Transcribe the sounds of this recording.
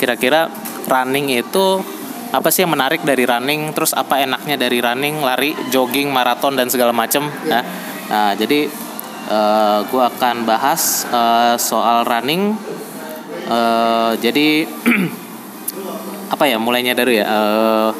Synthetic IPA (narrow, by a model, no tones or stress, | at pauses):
kiɾakiɾa | ranɪŋit̪u | ʔapasɪjaŋmənaɾɪk̚daɾiɾanɪŋt̪əɾʊsa̰paenak̚ɲadaɾiɾanɪŋlaɾid͡ʒoɡɪŋmaɾat̪ɔndansəɡalamat͡ʃəmjja | ʔəd͡ʒadi | ʔəːɡuaːkanbaɦasəsoalranɪŋ | əːd͡ʒadi | apajamulajɲadaɾujaʔəː